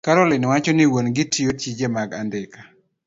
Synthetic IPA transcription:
kaɾɔlɪnwat͡ʃɔnɪwonɡɪtʰijot͡ʃid͡ʒemaɡandɪkḁ

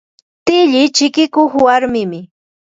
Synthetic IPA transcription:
t̪ɪʎɪt͡ʃɪkɪkʊχwaɾmɪmɪ

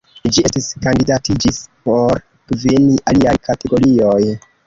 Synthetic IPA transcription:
d͡ʒie̞stiskandidatid͡ʒispo̞ɾ | kveniʔaliajkate̞ɡo̞ɾio̞j

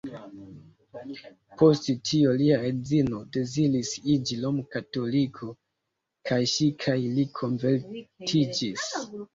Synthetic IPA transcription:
pʰo̞sttʰioliaɾed͡zino̞de̞zilisid͡ʒilomkato̞likʰo̞ | kʰajʃikʰajlikʰo̞ɱveɾtʰid͡ʒis

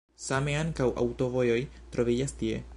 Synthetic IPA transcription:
sameaŋkawʔa̰wto̞vo̞jo̞jtɾo̞vid͡ʒastie̞̰

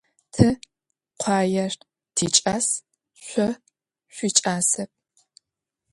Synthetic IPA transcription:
tʰɨ | qʷʰɑːjɐr | tʰiːt͡ʃʼaːs | ɕʷɔ | ɕʷiːt͡ʃʼaːsɐp̚

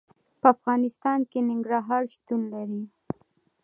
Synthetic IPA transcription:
pəafɣɑnɪst̪ɑnkenɪŋɡɾɑɦɑɾʃt̪unlaɾi

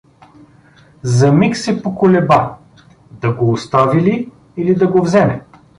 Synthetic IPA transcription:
zɐmiksɛpokolɛba | d̪ɐɡoːst̪aviliː | lid̪ɐɡovzɛmɛ

